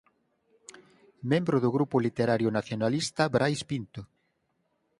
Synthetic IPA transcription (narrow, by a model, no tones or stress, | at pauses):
mẽmbɾʊðʊɣɾupʊlit̪eɾaɾjʊnaθjonalist̪ɐbɾʔajspint̪o